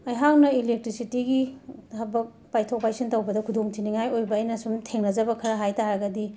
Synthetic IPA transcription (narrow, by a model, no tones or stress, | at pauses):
ɐjɦawnɐilek̚tɾisitiɡihɐbɐk̚ | pajtʰok̚pajsʰintɐwbɐdɐkʰudoŋtʰiniŋajojbɐːjnɐsumtʰeŋnɐd͡ʒɐbɐkʰɐɾɐɦajtaɾɐɡɐdi